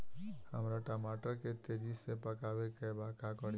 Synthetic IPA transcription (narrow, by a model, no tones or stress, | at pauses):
həmɾaʈamaːʈəɾket̪eːd͡ʒisepəkaːʋekebakakəɽ